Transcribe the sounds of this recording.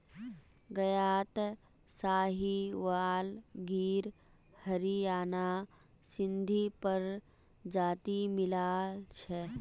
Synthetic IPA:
ɡɐjaːt̪ | saːɦiʋaːlɡiːɾ | həɾiaːna | sɪ̃nd̪ʱipəɾ | d͡ʒaːt̪imɪlaːlt͡ʃʰɛ

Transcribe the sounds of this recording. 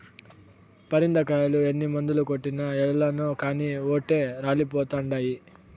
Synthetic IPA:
pɐɾind̪ɐkaːjɐluenːimond̪ulukoʈːinɐɛlːanoːkaːnioːʈːe̞ːɾaːlipɔːt̪ɐɳɖaːji

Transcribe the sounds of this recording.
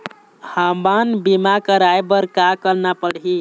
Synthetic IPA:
hambanbimakəɾajbəɾkakəɾnapəɽɦi

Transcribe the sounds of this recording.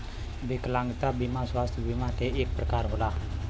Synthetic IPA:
bikəlaŋɡit̪abimasuwast̪ubimadeʔɪk̚bərkaɾɦulah

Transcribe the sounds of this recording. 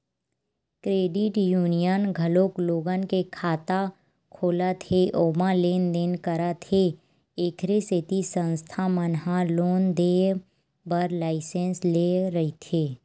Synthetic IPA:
kɾeːɖɪʈjuːnijənɡʱəloːkloːɡənkekʰaːt̪a | kʰoːlat̪ʰeʔoːmãleːnd̪eːnkəɾat̪ʰe | eːkʰɾeset̪isə̃nst̪ʰamənɦaloːnd̪eː | bəɾlaːɪsẽnsleɾəɦit̪ʰeː

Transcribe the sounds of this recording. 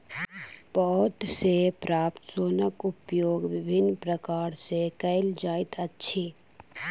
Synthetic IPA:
pɔɦʊt̪sepɾaːpt̪soːnəkʊpjoːɡʋɪbʱɪnːpɾəkaːɾsekəɪld͡ʒaːit̪ətːʃʰiː

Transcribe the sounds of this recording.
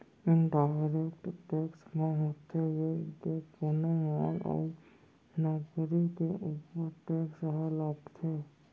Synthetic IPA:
ɪ̃nɖaːɪɾekʈʈeːksmẽɦot̪ʰejekekoneʋaːlɔ̰ːɾ | nɔːkɾikeʔuːpəɾʈeːksɦalɔːpt̪ʰeː

